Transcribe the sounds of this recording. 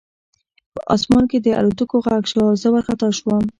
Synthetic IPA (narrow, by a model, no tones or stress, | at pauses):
pəʔɑsmɑnked̪əa̰ɾut̪ukoɣaɡʃɑzawaɾxat̪ɑʃwam